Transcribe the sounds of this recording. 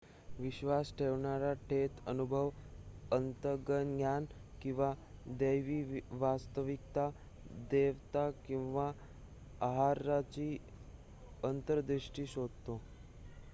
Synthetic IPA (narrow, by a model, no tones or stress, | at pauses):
ʋiɕʋasʈʰeʋɳaɾaʈʰet̪ənubʱəʋənt̪əɡənɡjankĩw̃ʋad̪əjʋiːʋast̪əʋik̚t̪a | d̪eʋt̪akĩw̃ʋa | aɦaɾːat͡ɕiː | ənt̪əɾd̪ɾiɕʈiːɕod̪̚t̪o